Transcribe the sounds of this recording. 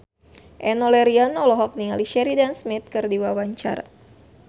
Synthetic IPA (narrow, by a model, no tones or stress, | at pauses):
ʔɛnɔlɛɾianɔlɔɦɔk̚nialiʃɛɾidansmit̪̚kɨrdiwawaɲt͡ʃa̰r